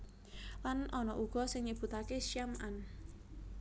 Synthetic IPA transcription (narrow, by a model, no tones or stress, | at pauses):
lanʔɔnɔʔuɡ̥ɔ̤sɪŋɲib̥ṳt̪akeʃiamʔan